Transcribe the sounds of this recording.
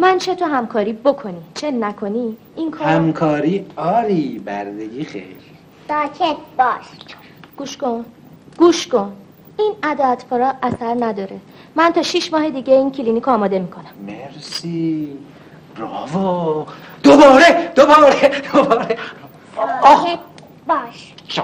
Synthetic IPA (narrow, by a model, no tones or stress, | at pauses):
mænt͡ʃʰe̞t̪ʰoɦæmkʰɒːɾiːbo̞kʰo̞nit͡ʃʰe̞nækʰo̞ni | inkʰɔhæmkʰɒːɾiːɒːɾiːbæ̰ɾd̪eɡiːxḛjɾ | d̥̪ɒːcʰebɒːʃ | ɡ̥uːʃkon | ɡ̥uʃkon | inæd̪ɒæt̪ʰfoɾɒːʔæsæɾnæd̪ɒːɾe̞ | mænt̪ʰɒːʃiʃmɒːɦe̞d̪iːɟeincʰilinikʰɒːmɒːd̪e̞miːkʰo̞næmmeɾsi | ɾɒːvo | d̪̥obɒːɾed̪̥obɒːɾed̪̥obɒːɾe | bɒːʃ | t͡ʃ